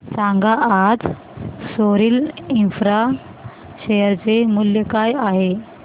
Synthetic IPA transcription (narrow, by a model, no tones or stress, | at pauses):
sãŋɡaʔːd͡z | soɾiːlinfɾa | ɕejəɾt͡semuljəkajaɦe